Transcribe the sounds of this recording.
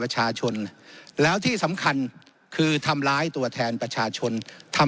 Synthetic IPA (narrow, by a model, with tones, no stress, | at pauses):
ɾa˧t͡ɕʰaː˧t͡ɕʰo˧nlɛː˦˥wt̪ʰiː˥˩sa˩˦mkʰa˧n | kʰɯː˧t̪ʰa˧mɾaː˦˥jt̪u˧ɐt̪ʰɛː˧npɾa˧t͡ɕʰaː˧t͡ɕʰo˧nt̪ʰa˧